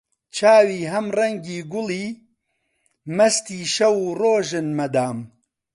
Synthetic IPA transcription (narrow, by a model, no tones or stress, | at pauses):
t͡ʃʰaːwiːɦɐmrɐŋɡiːɡʊliː | mɐst̪iːʃɐwuːroːʒɨnmɐd̪aːm